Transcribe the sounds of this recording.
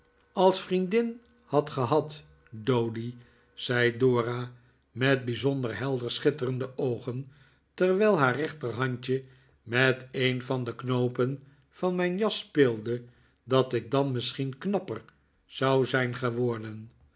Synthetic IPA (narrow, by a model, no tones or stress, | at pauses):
ɑlˠsfrindɪn | hɑtχəɦɑt | dowdi | z̥ɛjdoːra | mɛt̚bizɔndəɹɦɛlˠdəɹsχɪtərəndəʔowχən | tɛɹʋɛjlˠɦaːɹrɛχtərɦɑɲt͡ʃə | mɛtejnvɑndəknowpən | v̥ɑnmɛjnjɑspɪːlˠdə | dɑtɪɡ̚dɑnmɪsχinknɑpər | z̥ɑwzɛjnχəʋɔɹdən